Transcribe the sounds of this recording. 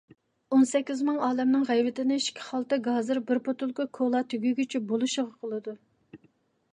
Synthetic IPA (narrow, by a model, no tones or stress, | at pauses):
onsɛkʲːizmɨŋɑːlɛmnɨŋʁæjvɪt̪ɪnɪʃkʲʰːi̥χɑlˠt̪ɨɡɑːzɨɾbɪɾpot̪ulˠkʊkʰolˠɑt̪ʰyɡʲyɡʲyt͡ʃʰybolˠuʃəʁɑqʰəlˠɨd̪u